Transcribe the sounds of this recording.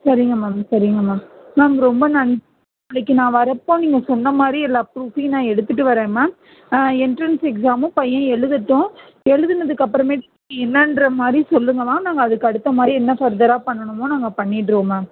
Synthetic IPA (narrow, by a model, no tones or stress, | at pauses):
sɐɾɪŋɡɐmaːmsɐɾɪŋɡɐmaːnaːmɐɾɔmbɐnɐnd͡ʒ | ɐɭɐkːɯnãːʋɐɾɐpːõːniːŋɡɐsɔnːɐmaːd̪ɾiɛlːaːpɾuːfinãːɛɽɯt̪ːɯʈ̬ːɯʋɐɾẽːmaː | ɪnʈɾɐnsɛksaːmʊ̃pɐjːɐ̃ɛɭɯðɯʈːʊ̃ | ɛɭɯðɯnɐðɯkːɐpːɾɐmeːʈɐiŋɐɛnːɐnɖɾɐmaːd̪ɾisɔlːɯŋɡɐmaːnaːŋɡɐːðɯkːɐɽɯt̪ːɐmaːɾiɛnːɐfɐɾd̪ɐɾaːpɐɳːɐɳɯmoːnaːŋɡɐpɐɳːɪʈːɾoːmaː